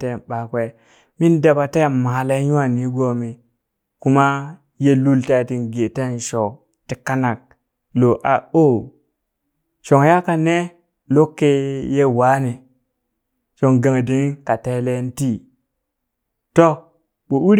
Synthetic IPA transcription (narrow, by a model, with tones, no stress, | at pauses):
te˦˨ɓa˨kwe˦ | mi˦nda˨ba˨te˦˨ma˨la˦ju˦a˦˨ni˨˦ɡo˦mi˨ | ku˦ma˦ | je˦lu˦lta˦˨ti˨nɡe˨te˦˨n˨ʃo˨ | ti˨ka˦na˨k̚ | lo˨ʔa˨o˦˨ | ʃo˨ŋja˦ka˨ne˦ | lo˦kːe˦je˦wa˦ni˨ | ʃo˨ŋɡa˨ŋ˨di˨ŋ˦ka˨te˦le˦n˦ti˦ | to˦ | ɓo˨u˦ɾ